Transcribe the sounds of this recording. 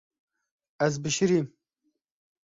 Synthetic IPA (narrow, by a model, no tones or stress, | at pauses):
ɛzbɨʃɨɾiːm